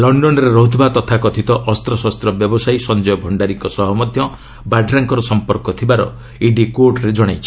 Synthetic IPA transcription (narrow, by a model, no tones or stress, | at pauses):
lɔɳɖɔnɔɾeɾoɦd̪ʱbat̪ɔt̪ʰakɔt̪ʰit̪ɔʔɔst̪ɾɔsast̪ɾɔbjɔbɔsajsɔnd͡ʒɔjɔbʱɔɳɖaɾiŋkɔsɔɦɔmɔd̪ʱjɔ | baɖɾaŋkɔɾɔsɔmpɔɾkɔt̪ʰibaɾɔ̰ | iɖikoʈɾed͡ʒɔɽ̃ajt͡ʃʰi̥